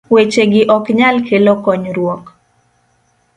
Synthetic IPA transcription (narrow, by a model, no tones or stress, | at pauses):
wet͡ʃeɡɪʔɔkɲalkʰelokɔɲɾwɔk